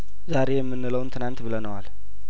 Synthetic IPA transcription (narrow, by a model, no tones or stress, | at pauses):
zaɾe̞jɛmːɨnːɨləwnt̪ʰɨnant̪bɨlənəwal